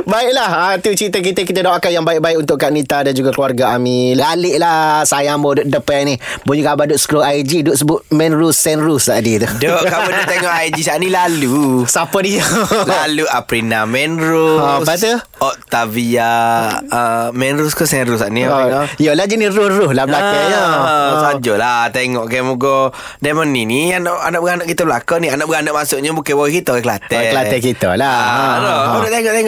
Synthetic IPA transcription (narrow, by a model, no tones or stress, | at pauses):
baɪʔlahat̪ut͡ʃɾit̪ək̬it̪əkit̪adaakajaŋbaɪʔ̚baɪkunt̪ʊʔkaʔnit̪adand͡ʒuɡakluarɡaamilalɪʔlahsajmbodʊʔ̚dəpɛni | buɲukabadʊʔskɾoʔajd͡ʒidʊʔsəbʊʔ̪̚mɛnɾusːɛnɾusaʔdit̪udɔʔkabadʊt̪eŋɔʔajd͡ʒisanĩlalusapadialaluapɾinamɛnɾʊt̪u | ɔʔ̚t̪avia | əmɛnɾʊskusɛnɾusaʔnijəlad͡ʒiniɾʊhrʊhlahblakaɲəsad͡ʒolat̪eŋɔʔkɛmuɡɔ | daməninianaʔanaʔbəɡanaʔkit̪əblakanianaʔbəɡanɔʔmasʊʔɲəbukebawɛhkit̪əɛkəla̰t̪ɛklaɛkit̪ə̰laɾɔudɔʔt̪eŋɔʔt̪eŋɔ